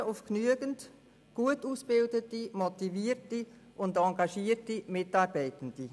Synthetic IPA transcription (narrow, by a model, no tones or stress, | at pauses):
ʊfknyəɡənt | ɡ̥uətuːsb̥ɪldətimɔtiviːrti | ʔʊndɑŋɡɑʃiːətimɪtɑːɾbɛɪtən̩d̥i